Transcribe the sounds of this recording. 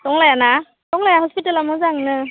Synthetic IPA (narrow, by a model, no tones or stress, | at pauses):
tɔŋlajana | tɔŋlajahɔspitalamɔzaŋnɯ